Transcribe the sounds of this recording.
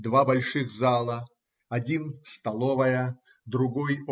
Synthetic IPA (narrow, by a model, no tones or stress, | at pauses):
d̪vabɐlʲʂɨxzalˠə | ɐdʲinst̪ɐlˠovɐjə | d̪ɾʊɡoj